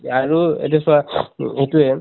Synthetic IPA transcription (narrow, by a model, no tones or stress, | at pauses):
aɹuḛtɛsaetuɛ